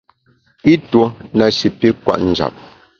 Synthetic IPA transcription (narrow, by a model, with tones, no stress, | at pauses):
i˦two˦na˨ʃi˨pi˦kwa̰˨ʔn̩˨d͡ʒa̰˨p̚